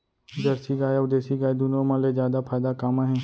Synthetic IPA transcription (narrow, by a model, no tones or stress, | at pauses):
d͡ʒəɾsiɡaːjad̪eːsiɡaːed̪ʊnõːmãːlezjaːd̪apʰaːjd̪aːkaːmãːɦɛ̃ː